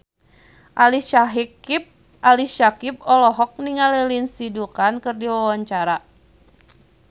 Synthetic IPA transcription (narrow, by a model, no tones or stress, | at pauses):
ʔaliʃaɦikp̚ | aliʃakip̚ɔlɔɦɔk̚niŋalɛlinsidukankɨrdiwawaɲt͡ʃaɾa